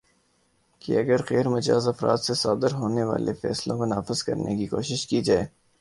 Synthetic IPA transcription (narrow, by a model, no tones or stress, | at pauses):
kḭɐɡəɾqɛːɾmɐd͡ʒa̰ːzɐfɾa̰ːt̪sesaːd̪əɾɦoːneʋa̰ːlʔefɛ̰ːslõkonaːfɪzkɐ̰ɾnʔekikoːʃɪʃkid͡ʒaːeː